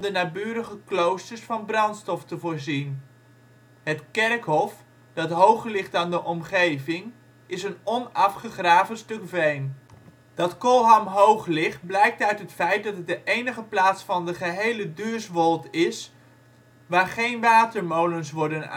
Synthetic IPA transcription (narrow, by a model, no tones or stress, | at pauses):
dənaːbyːɾəχəklowstəɹsfɑnbrɑntstɔftəvʊːɹzin | ɦətkɛrkɦɔf | d̥ɑtɦowχəɹlɪχtaːndəʔɔmχejvɪŋ | ɪsənɔnɑfχəχraːvənstɵkvejm | d̥ɑtkɔlˠɦamɦowχlɪχt̚blɛjk̚tœɥtɦətfɛjt̚dɑtt̚dəʔejnəχəplaːtsfɑndəχəɦejlədøːɹsʋɔlˠtɪs | ʋaːɹχejnʋaːtəɹmowlənsʋɔɹdəna̰